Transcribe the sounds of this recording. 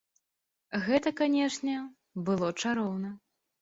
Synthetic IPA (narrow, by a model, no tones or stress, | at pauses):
ɣɛt̪ɐkanʲɛʂnʲɛ | bɨlˠɔt͡ʂaɾɔwnɐ